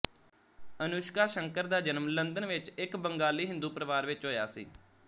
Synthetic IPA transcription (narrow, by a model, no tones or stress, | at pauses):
ənʊʃkaːʃəŋkəɾd̪aːd͡ʒənəmlənd̪ənʋɪt͡ʃɪkbəŋɡaːliːɦɪ̃nd̪uːpɾəʋaːɾʋɪt͡ʃɦoːja̰ːsḭː